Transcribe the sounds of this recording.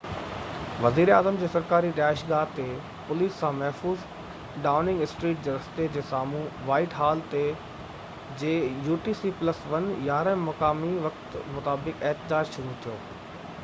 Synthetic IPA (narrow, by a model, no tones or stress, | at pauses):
ʋɐziːɾaːzəmd͡ʑeːsɐɾkaːɾiɗɛːʃɡaːt̪e | pʊliːsːãːmɐɦfuːz | ɖaːʊnɪ̃ŋɡɪsʈɾiːʈ̚d͡ʑeːɾɐsɪ̥t̪ed͡ʑeːsaːmũʋaːɪʈɦaːlt̪e | d͡ʑeːjuːʈiːsiːplɐsʋɐnjaːɾə̃mɐkaːmiʋɐkt̪mʊt̪aːbɪkɪɦt̪ɪd͡ʑaːd͡ʑʃʊɾut̪ʰijo̰ː